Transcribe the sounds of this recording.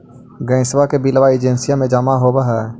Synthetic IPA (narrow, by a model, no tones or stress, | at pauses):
ɡə̃ɪswakebilʋaːid͡ʒensijamẽd͡ʒamaɦobaɦɛ